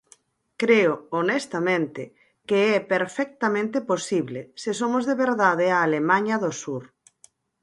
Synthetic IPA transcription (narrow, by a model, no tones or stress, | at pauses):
kɾeoonɛst̪amẽnt̪ɪ | keɛpeɾfɛk̚t̪amẽnt̪ɪposiβlesɪs̬omʊzðeβeɾðaðeaːlemãɲɐðosuɾ